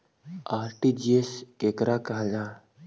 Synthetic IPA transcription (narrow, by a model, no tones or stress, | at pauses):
aːɾʈid͡ʒieskeːkɾakaɦd͡ʒa